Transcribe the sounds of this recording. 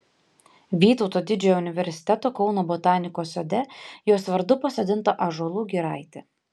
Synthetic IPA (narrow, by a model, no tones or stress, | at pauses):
ʋʲiːt̪ɔʊt̪oːd̪ʲɪd͡ʒʲɛjoʊnʲɪʋʲɛɾʲsʲɪ̥t̪ʲɛt̪oːkɒʊnoːbɔt̪ɑːnʲɪkoːsʲod̪ʲɛjoːsʋɐɾd̪ʊpɐsod̪ʲɪnˑt̪oːʔɐʒolˠuːɡʲiɾɐˑɪt̪ʲɪ